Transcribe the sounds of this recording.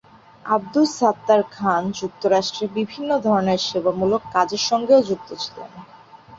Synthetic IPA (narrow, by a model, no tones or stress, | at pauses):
ab̚d̪ulsat̪ːaɾkʰand͡ʑuk̚t̪oɾaʃʈɾebibʱinːod̪ʱɔɾoneɾʃebamulokːad͡ʑeɾʃɔŋɡeod͡ʑuk̚t̪ot͡ɕʰi̥lḛn